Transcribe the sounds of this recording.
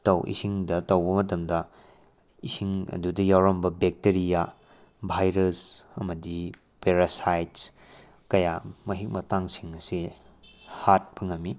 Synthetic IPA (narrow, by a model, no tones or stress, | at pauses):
tɐwʔḭsiŋdɐtɐwbɐmɐtɐmdɐ | isiŋɐ̰dudɐjawɾɐmbɐbek̚teɾija | bʱajɾɐsɐmɐdi | peɾasajts | kɐjamɐɦik̚mɐtaŋsiŋɐsi | hat̚bɐŋɐmːi